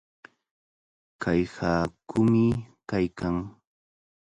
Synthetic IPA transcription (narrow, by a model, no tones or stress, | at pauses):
kajhaːkʊmɪkajkaŋ